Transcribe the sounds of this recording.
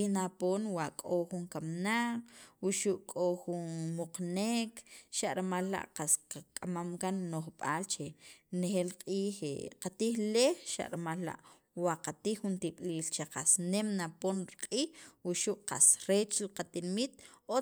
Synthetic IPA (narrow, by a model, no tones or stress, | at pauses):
inapoːnwaʔkʼoxuŋkamnaq͡χwuʃuʔkʼoxunmoqnekʃaʔɾemalːa̰ʔqasqakʼamamkanːoχɓaːlt͡ʃenexelqʼiːxḛqat̪iːxlexʃa̰ʔɾimalːa̰ʔ | waqat̪iːxːunt̪iɓ̥liːlt͡ʃeqasnemnaponɾiqʼiːxwuʃuʔqa̰sɾet͡ʃliqat̪inmit̪̚o